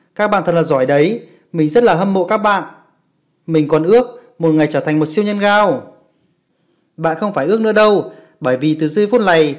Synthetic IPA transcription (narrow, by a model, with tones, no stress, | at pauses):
kaː˦˥k̚ɓa̰ː˧˨t̪ʰə˨˩laː˨˩zɔ˧˩jɗə˨˦j | mï˨˩ŋ̟zə˦˥t̚laː˨˩ɦə˧mːo̰˧˨kaː˦˥k̚ɓa̰ː˧˨n | mï˨˩ŋ̟kɔ˨˩nʔɨ˦˥ək̚mo˨˩t̚ŋa˨˩jt͡ɕəː˧˩t̪ʰa˨˩jŋmo˨˩t̚si˧əwɲə˧nɣaː˧w | ɓa̰ː˧˨nxə˧wŋ͡mfaː˧˩jʔɨ˦˥k̚nɨ̰˧˥əɗə˧w | ɓəː˧˩jvi˨˩t̪ɨ˨˩zɨ˧fu˦˥t̚la˨˩j